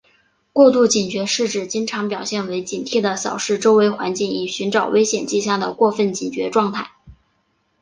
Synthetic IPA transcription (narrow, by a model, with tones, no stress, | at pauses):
kwɔ˥˧t̪u˥˩t͡ɕi˨˩nt͡ɕɥɛ˧˥ʂɻ̩˥˩ʈ͡ʂɻ̩˨˩t͡ɕi˥ŋʈ͡ʂʰɑ˧˥ŋpjɑ˨˩ʊɕjɛ˥˩nwe˧˥ɪt͡ɕi˨˩nt̪ʰi˥˩d̪ə˩sɑ̰˨˩ʊʂɻ̩˥˩ʈ͡ʂo˥ʊwe˧˥ɪxwa̰˧˥nt͡ɕi˥˩ŋi˨˩ɕy˧˥nʈ͡ʂɑ˨˩ʊwe˥ɪɕjɛ˨˩nt͡ɕi˥˧ɕja˥˩d̪ə˩kwɔ˥˧fə˥˩nt͡ɕi˨˩nt͡ɕɥɛ̰˧˥ʈ͡ʂwɑ˥˧ŋt̪ʰa˥˩ɪ